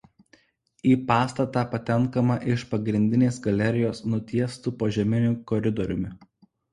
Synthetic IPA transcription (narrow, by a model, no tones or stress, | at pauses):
iːpɑːst̪ɐt̪ɑːpɐt̪ʲɛŋˑkɐmɐʔɪʃpɐɡɾʲɪnʲd̪ʲɪnʲeːsɡɐlʲɛɾʲɪjoːsnʊt̪ʲiɛst̪uːpoːʒʲɛmʲɪnʲʊkɔɾʲɪd̪ɔɾʲʊmʲɪ